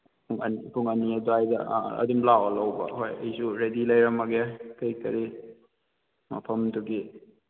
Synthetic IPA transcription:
puŋɐ̰nipʰuŋɐniɐduajdɐ̰ɐ̰dumlawalawbɐ̰ɦojɐjsuɾedilɐjɾɐmɐɡekɐjkɐɾi | mɐ̰pʰɐmduɡi

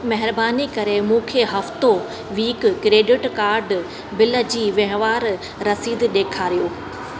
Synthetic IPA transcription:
mɐɦɪɾbaːnikɐɾemũːkʰeɦɐft̪o | ʋiːkkɾeːɖɪʈkaːɾɖ | bɪlə̆d͡ʑiːʋɐɦʋaːɾː | ɐsiːd̪ɗeːkʰaːɾijoː

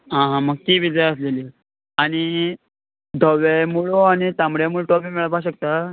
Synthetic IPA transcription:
ɦãɦãməɡ̚t̪iːʋid͡zəjəs̬leli | aɽ̃i | d̪ʱɔʋejmuɭoañit̪ãmbɽjamuɭʈɔbimeɭəpaɕəkt̪a

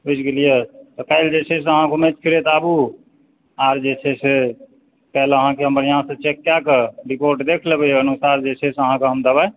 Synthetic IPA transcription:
ɦujskelijet̪ɔkɛɪld͡ʒet͡ʃʰɛseəɦãkomet͡ʃpʰiɾet̪abu | aɾd͡ʒet͡ʃʰɛse | kɛɪləɦãkeɦəməɾjəɦãsə̃t͡ʃekːjakeɾipoɾʈd̪ekʰlebeənusaɾd͡ʒet͡ʃʰɛsəɦãkeɦəmd̪əba

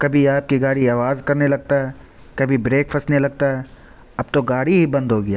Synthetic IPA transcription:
kɐbʱiaːp̚kiɡaːɽiaːʋaːzkɐɾnelɐɡ̚t̪aɦɛ | kɐbʱibɾeːkfʰɐsnelɐɡ̚t̪aɦɛ | ɐbt̪oɡaːɽiɦibɐ̃nd̪ɦoːɡɪjaː

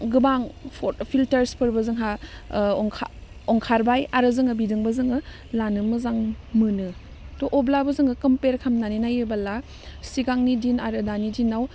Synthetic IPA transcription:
ɡɯbaŋpʰɔpʰiltɐɾspʰɯɾbɯzɯŋɦaɔŋkʰa̰ | ɔŋkʰaɾbajaɾɯzɯŋɯbidɯŋbɯzɯŋɯ | lanɯmɯzaŋmɯnɯ | tɔʔɔblabɯzɯŋɯkɯmpeɾkʰamnaninajɯbala | siɡaŋnidinaɾɯdanidinːaw

